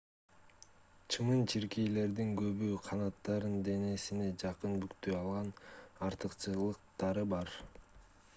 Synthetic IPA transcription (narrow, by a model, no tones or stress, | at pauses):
t͡ʃʰɯmɯnt͡ʃʰiɾkijle̞ɾd̪iŋɡø̞βyqʰɑnɑt̪ːɑɾɯnd̪e̞ne̞sine̞d͡ʒɑqɯnbykt̪øjɑlˠʁɑnɑɾt̪ɯqt͡ʃɯlˠɯq̚t̪ɑɾɯbɑɾ